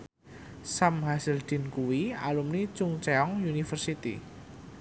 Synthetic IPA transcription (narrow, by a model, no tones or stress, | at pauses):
samɦasɪld̪̥i̤nkuwialumnit͡ʃʊŋt͡ʃɛɔŋunifərsit̪ḭ